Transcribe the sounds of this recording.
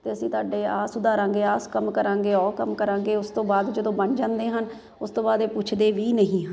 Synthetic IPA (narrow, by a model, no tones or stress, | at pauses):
t̪eːəsĩːt̪oaːɖeːaːsʊd̪aːɾãːŋɡeːaːskəmkəɾãːŋɡeːɔːɾkəmkəɾãːŋɡeːʊst̪õːbaːd̪d͡ʒəd̪õːbənd͡ʒãːnd̪eːɦən | ʊst̪õːbaːd̪eːpʊt͡ʃʰd̪eːʋiːnəɦĩːɦən